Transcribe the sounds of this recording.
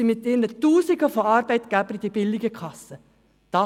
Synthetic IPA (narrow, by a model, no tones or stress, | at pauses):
imɪt̪ːɪnətuːsiɡəfoɑːɾbɛɪtɡ̥æbəɾid̥̪ibɪlːiɡəkʰɑsə | d̥ɑ